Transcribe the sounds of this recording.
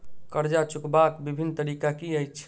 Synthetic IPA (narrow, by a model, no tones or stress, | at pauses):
kəɾd͡ʒat͡ʃukbakbibʱinːt̪əɾikakiəjt͡ʃʰ